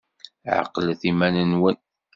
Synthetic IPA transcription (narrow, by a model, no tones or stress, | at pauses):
ʕə̰qːlθimænənwən